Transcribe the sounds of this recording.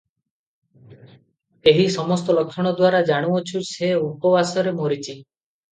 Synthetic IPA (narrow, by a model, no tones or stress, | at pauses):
eɦisɔmɔst̪ɔlɔkʰːjɔɽ̃ɔd̪waɾad͡ʒaɽ̃uɔt͡ʃʰuseupɔbasɔɾemoɾit͡ʃʰi